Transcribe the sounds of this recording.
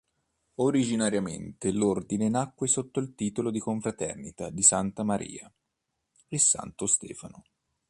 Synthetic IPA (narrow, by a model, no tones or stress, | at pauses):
oɾid͡ʒinaɾjamḛnt̪elord̪inenakːwesot̪ːoilt̪iːt̪olod̪ikoɱfɾat̪ɛ̰rnit̪ad̪isant̪amaɾʔḭːa | isa̰nt̪ost̪ɛ̰ːfano